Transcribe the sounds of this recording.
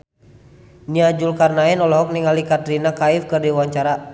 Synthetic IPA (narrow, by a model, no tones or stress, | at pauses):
niad͡ʒulkarnaɛnɔlɔɦɔk̚niŋalikat̪ɾinakaifkɨrdiwaɲt͡ʃaɾa